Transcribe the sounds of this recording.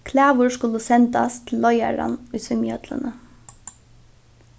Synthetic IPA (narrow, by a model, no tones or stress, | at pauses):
kʰlæːʋʊskʊləsɛnt̪ast̪ʰɪl̩ːɔja̰ɾa̰nʊjsʏmjœd̪̥lə̰nə